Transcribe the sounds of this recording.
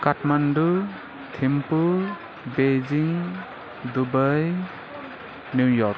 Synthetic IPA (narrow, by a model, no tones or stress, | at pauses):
katmandu | tʰempu | bed͡ʒiŋ | d̪ubaj | njujɔɾk